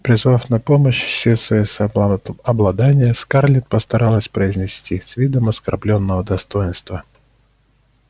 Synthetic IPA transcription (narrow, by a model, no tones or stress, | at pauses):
pɾʲɪzvafnɐpoməɕsʲesvɐis | ɐblˠɐd̪anʲɪjəskarlʲɪt̪̚pəst̪ɐɾalˠəsʲpɾəɪzʲnʲɪsʲtʲisvʲid̪əmɐskɐ̰rblʲonːəvəd̪ɐst̪o̞jɪnst̪və